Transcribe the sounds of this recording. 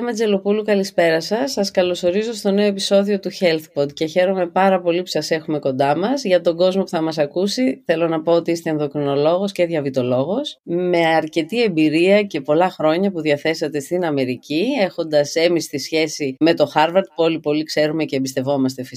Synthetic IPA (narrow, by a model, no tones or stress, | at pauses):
emɐd͡ze̞lo̞pulukɐlispe̞ɾɐsɐsːɐskɐlo̞so̞ɾizo̞st̪o̞ne̞oe̞pi̥so̞ðio̞t̪uçe̞lθpod̪ce̞çe̞ɾo̞me̞pɐɾɐpo̞lipu̥sɐse̞xume̞ko̞nd̪ɐmɐzʝɐt̪o̞ɡo̞zmo̞puθɐmɐsɐkusiθe̞lo̞nɐpo̞ot̪iist̪e̞ːnðokɾino̞lo̞ɣo̞sceðʝɐvit̪o̞lo̞ɣo̞sme̞ɐɾce̞t̪ie̞mbiɾiɐce̞po̞lɐxɾo̞ɲɐpuðiɐθe̞sɐt̪e̞st̪inɐme̞ɾiciexo̞nd̪ɐse̞mist̪isçe̞sime̞t̪o̞xɐɾvɐɾt̪̚polipo̞likse̞ɾumece̞ːbist̪e̞vo̞mɐst̪efi